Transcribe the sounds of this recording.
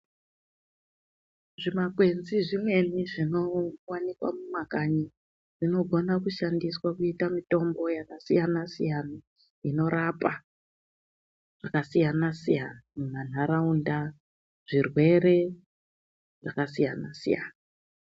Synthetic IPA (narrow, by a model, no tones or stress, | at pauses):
ʐimakwe̞nziʐimwe̞niʐino̞wanikwa̰mumakaɲi | ʐino̞ɡʱo̞nakuʃandiswakuitamito̞mbo̞jakasijanasijana | ino̞ɾapa | ʐ̥akasijanasijanamunan̤aɾaunda | ʐ̥irwe̞ɾe̞ | ʐakasijanasḭja̰ːna